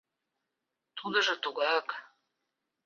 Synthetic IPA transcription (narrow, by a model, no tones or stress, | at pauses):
t̪ʰud̪ə̆ʒɤ̆t̪uɣɑk